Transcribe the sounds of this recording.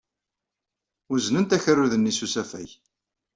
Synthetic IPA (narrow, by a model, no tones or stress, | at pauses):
ʊznənt̪æçərːuðənːisusæfæ̰j